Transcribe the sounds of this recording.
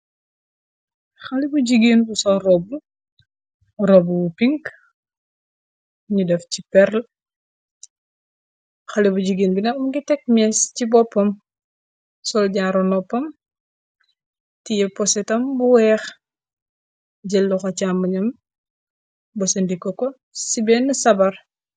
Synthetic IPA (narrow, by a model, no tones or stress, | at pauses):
xɐlibuɟiɡinbusɔrɔbu | ɾɔbːuupiŋk | ɲudɛfcipɛɾl | xɐlibuɟiɡiːnbinɐmɡitɛk̚mɛscibɔpːɐm | sɔlɟaːɾɔnɔpːɐm | tijɛpɔsɛtɐmbuwɛːx | ɟɛlːuxɐcamɐɲɐm | bɔsɐndikɔkɔ | sibɛːnːsɐbɐr